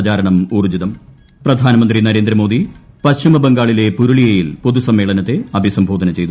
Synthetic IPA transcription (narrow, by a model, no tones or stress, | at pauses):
d͡ʑaːɾɐɳɐmuːrd͡ʑiðɐm | prɐd̪ʱaːnɐmɐnd̪rinɐɾe̞ːnd̪ɾɐmoːd̪i | pɐɕt͡ɕimɐbeŋɡaːɭile̞puɾuɭijɐjilpoðusɐmːe̞ːɭɐnɐt̪ːe̞ɐbʱisɐmbʱoːd̪ʱɐnɐt͡ɕe̞jt̪u